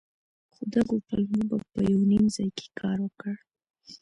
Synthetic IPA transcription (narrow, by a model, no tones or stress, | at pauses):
xud̪aɡopalmobapəjawnimzɑjke̥kʰɑɾwəkəɽ